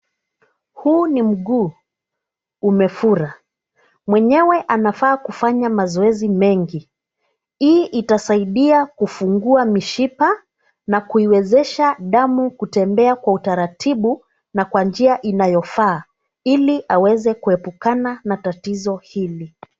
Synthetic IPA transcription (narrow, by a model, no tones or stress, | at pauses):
huːnim̩ɠuː | umɛfuɾa | mwɛɲɛwɛʔanafaːkufaɲamazɔɛzimɛŋɡi | iʔitasaiɗiakufuŋɡuamiʃipa | nakuiwɛzɛʃaɗamukutɛmbɛakwautaɾatʰiɓu | nakwand͡ʒiaʔinajɔfaː | iliʔawɛzɛkuɛpukananatatizɔhili